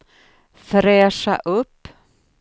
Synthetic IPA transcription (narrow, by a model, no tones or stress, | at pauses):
fɾeːsa̰ʔɵpː